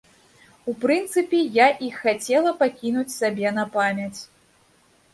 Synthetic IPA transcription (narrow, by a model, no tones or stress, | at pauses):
upɾɨnt̪sɨpʲijaʔixat͡sʲɛlˠɐpakʲinut͡sʲsabʲɛnɐpamʲɐt͡sʲ